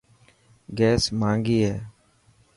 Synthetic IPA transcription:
ɡɛːsmãːŋɡiːɦɛː

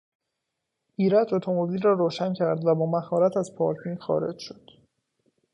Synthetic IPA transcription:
ʔiːɾæt̪ʰo̞t̪ʰo̞mobilrɒːɾoːʃæncʰæɾd̪væbɒːmæhɒːɾæt̪ʰæzpʰɒːɾt̪ʰinxɒ̰ːɾe̞̰d͡ʒʃod̪̥

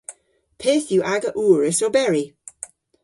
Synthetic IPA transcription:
pʰeːθjuʔaɡəʔuːɹəsɔbɛɹi

